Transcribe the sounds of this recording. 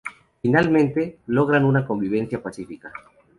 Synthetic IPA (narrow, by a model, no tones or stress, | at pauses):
finalmẽnt̪e̞lo̞ɣ̞ɾanunako̞mbiβ̞e̞nθjapasifika